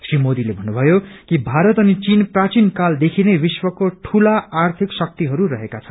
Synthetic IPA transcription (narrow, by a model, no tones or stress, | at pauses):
srimod̪ilebʱʌnːubʱʌjokibʱaɾʌt̪ʌnit͡sinprat͡sinkald̪ekʰinebiswʌkoʈʰulaart̪ʰiksʌk̚t̪iɦʌɾurʌɦekat͡sʰʌnn